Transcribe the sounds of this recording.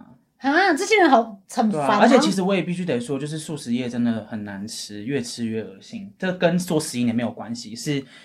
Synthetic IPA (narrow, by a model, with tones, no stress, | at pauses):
ha˧˥wã˧˥ɑ˨˩t͡sə˥˩ɕi˥ɻə˧˦nxɑ˨˩˦ʊt͡sʰə˨˥˦n˧a˨˥ə˧˥t͡ɕʰɛ˨˩t͡ɕʰi˧˥ʂ̬̩˧˥wɔ˧˥jɛ˨˩pi˥˩ɕy˥t̪e˨˩ɪʂwɔ˥t͡ɕjo˥˧ʊʂ̬ɻ̩˥˧su˥˩ʂɻ̩˧jɛ˥˩ʈ͡ʂə˦nd̪ə˨˩xə˨˩nːa˧˦nʈ͡ʂ̩ʰ˥ɥɛ˥˩ʈ͡ʂʰɻ̩˧˥ɥɛ˥˩ə˨˩˦ɕi˥˩ŋʈ͡ʂɤ˥˧kə˦nswɔ˥˩ʂɻ̩˧˩i˥˩n˨˩me˧˥ɪjo˨˩kwa˦nɕi˨ʂɻ̩˥˩